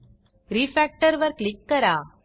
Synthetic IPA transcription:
ɾiːfæːk̚ʈɐɾʋɐɾkɭɪkːɐɾaː

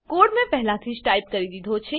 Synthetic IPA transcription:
koːɾɖmẽpɛɦlãt̪ʰisʈaːɪp̚kɐɾid̪id̪ʱot͡ʃʰe

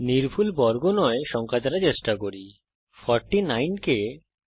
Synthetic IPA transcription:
niɾpʰulbɔɾɡonɔeʃɔŋkʰad̪aɾat͡ɕeʃʈakoɾi | fʰɔɾʈinajnke

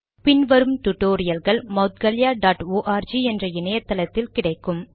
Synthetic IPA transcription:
pɪnʋɐɾɯmʈʊʈːoːɾɪjɐlɣɐɭmɐʊt̪ɡɐlɪjaːɖaːʈoːʔaːɾd͡ʒiːɛndrɐɪnɐjɐt̪ːɐlɐt̪ːɪlkɪɽɐɪkːɯm

